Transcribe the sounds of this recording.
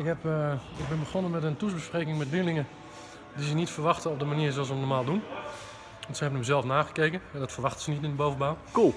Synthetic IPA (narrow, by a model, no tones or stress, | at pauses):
ɪkhɛpɪɡ̚bɪnbəxɔnənmɛtəntusbəspreːkɪŋmɛtlilɪŋə | disənitfərʋaxtəɔp̚dəmaniərss̬əmnɔmaːlˠdun | ʋɑntsəhɛbənəmzɛlˠfnaːɣə̥keːkənɛdɔtfərʋaxtəsənitɪndəbowvəbaːnkulˠ